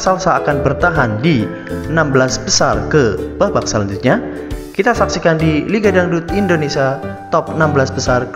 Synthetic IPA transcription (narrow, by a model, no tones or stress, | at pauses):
salsaːkanbərt̪aɦandi | ənambəlasbəsarkəb̥ahbak̚salaɲd͡ʒʊt̪̚ɲa | kit̪asaksikandiliɡadaŋdut̪indonesiat̪ɔp̚ənambəlasbəsark